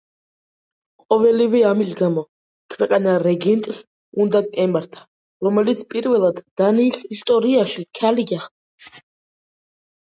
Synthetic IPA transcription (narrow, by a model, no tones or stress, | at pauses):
qʼɔvɛlivɛamisɡamɔ | kʰwɛqʼanaɾɛɡɛnt̪ʼs | und̪aɡʼɛmaɾt̪ʰḁ | ɾɔmɛlit̪sʰpʼiɾvɛlˠad̪ːaniːsist̪ʼɔɾiaʃikʰaliɡaχd̪ʼa